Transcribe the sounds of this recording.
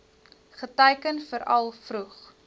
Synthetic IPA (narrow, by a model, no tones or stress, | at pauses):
χətɛjkənfəɾɐ̰lˠfruχ